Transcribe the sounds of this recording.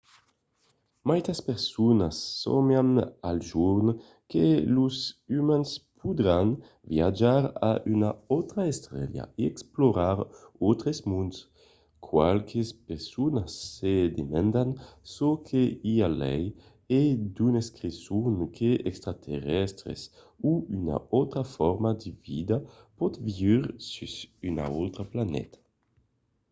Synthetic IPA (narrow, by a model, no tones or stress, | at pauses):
majt̪aspeʁsunasːɔ̰mjanalʒuɾn | kḛluzymanspʰud̪ɾan | vjad͡ʒaɾa̰ʔynaɔwt̪ɾaest̪ɾɛ̰lja̰eɛksploɾaɾowt̪ɾesmuns | kʰwa̰lkʰespeʁsunasːed̪emand̪ansokʰeialɛ̰j | ed̪uneskɾisuŋkʰeɛkst̪ɾat̪ʰeʁɛst̪ɾḛs | uyna̰ɔt̪ɾafɔɾmad̪ivid̪apɔt̪viviʁsysyna̰owt̪ɾaplanɛ̰t̪ḁ